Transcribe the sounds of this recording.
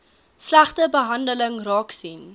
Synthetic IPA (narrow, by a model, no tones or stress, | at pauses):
slæχtəbəɦɐndələŋrɑːksin